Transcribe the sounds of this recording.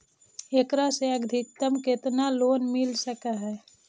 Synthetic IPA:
eːkɾaseəɡd̪ʱɪk̚t̪əmket̪naloːnmɪlsəkaɦɛː

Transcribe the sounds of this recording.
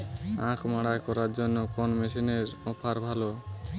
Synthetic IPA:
ãkʰmaɽajkɔɾaɾd͡ʒɔnːɔkɔnmesineɾɔpʰaɾbʱalo

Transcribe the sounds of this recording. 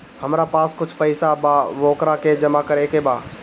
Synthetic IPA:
hɐmɾapaːskʊt͡ʃʰpəɪsabaːʋoːkɾaked͡ʒɐmakəɾekebaː

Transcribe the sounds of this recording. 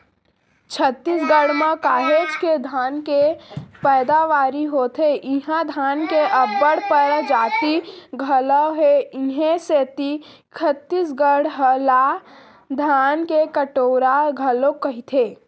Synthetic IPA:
t͡ʃʰət̪ːiːsɡəɽmãkaːɦed͡ʒked̪ʱaːnkepɛːd̪aʋaːɾiɦoːt̪ʰeʔɪɦãd̪ʱaːnkeʔəbːəɽpəɾd͡ʒaːt̪iɡʱələɦeɪɦẽset̪i | t͡ʃʰət̪ːisɡəɽɦəla | d̪ʱaːnkekəʈoːɾaɡʱəlokəɦit̪ʰeː

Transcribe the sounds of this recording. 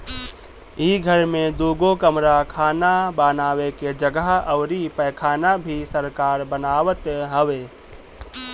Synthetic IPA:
iɡʱəɾmẽd̪uːɡokəmɾakʰaːnabaːnaːʋeked͡ʒəɡəɦəʊɾipəjkʰaːnabʱisəɾkaːɾbənaːʋət̪ɦəʋe

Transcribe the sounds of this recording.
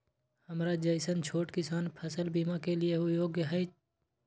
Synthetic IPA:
həmɾad͡ʒəɪsənt͡ʃʰoːʈkɪsaːnpʰəsəlbiːmakelɪeɦʊjoːɡjəɦəi

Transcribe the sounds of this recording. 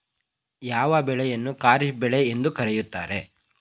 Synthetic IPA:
jaːʋɐbɛɭɛjɐnːukaːɾibɛɭeend̪ukɐɾɛjut̪ːa̰ːɾe̞

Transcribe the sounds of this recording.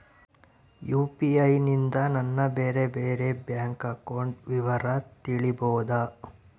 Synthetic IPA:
juːpiɐjnind̪ɐnɐnːɐbeːɾe̞beːɾe̞bjaːŋkɐkoɳɖʋiʋɐɾɐt̪iɭiboːd̪ɐ

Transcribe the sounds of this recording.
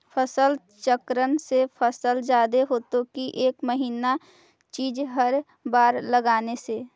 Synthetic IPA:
pʰəsəl | t͡ʃəkɾənsepʰəsəld͡ʒaːd̪eɦoːt̪okiʔeːkməɦiːna | t͡ʃiːd͡ʒɦəɾ | baːɾləɡaːnese

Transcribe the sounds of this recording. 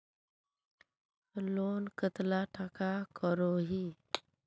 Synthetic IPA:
loːnkət̪laʈʰakakəɾoɦiː

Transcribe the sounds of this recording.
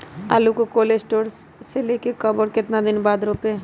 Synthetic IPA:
a̰ːlukokoːleːssʈoːɾseleːkekəbəɾkɪt̪nad̪ɪnbaːd̪ɾoːpe

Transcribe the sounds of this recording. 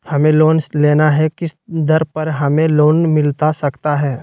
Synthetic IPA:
hɐmẽloːnsleːnaɦɛkɪsd̪ɐɾpɐɾɦɐmẽloːnmɪlt̪asɐkt̪aɦɛː

